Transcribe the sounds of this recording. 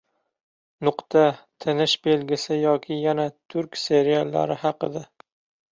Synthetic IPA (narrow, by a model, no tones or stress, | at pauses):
nʊqt̪ʰat̪ʰɪnɪʃbe̞lɡʲɪsɪjɒkʲʰɪjanat̪ʰʊɾkʲse̞ɾijalˠːa̰ɾɪhɑqɨd̪a